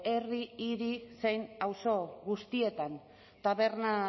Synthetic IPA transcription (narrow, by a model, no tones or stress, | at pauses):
e̞riːɾisejnawso̞ɣust̪ie̞t̪an | t̪aβe̞ɾna